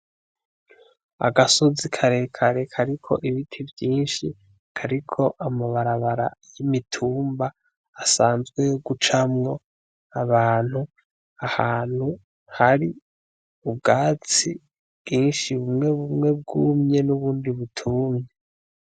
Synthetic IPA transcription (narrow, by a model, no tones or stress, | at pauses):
a̰ɡasozikʰaɾe̞kʰaɾekʰaɾikʰo̞ʔiβitʰivjiːnʃi | kʰaɾikʰo̞ʔamaβaɾaβaɾa̰jimitʰuːmbaː | saːnzɡwe̞ɡut͡ʃamŋo̞ | aβaːn̥hu | ahaːn̥hu | haɾi | ubɡaːt͡si | bɡ̥iːnʃiβumŋe̞βumŋe̞b̚ɡuːmɲe̞nuβuːndiβutʰuːmɲe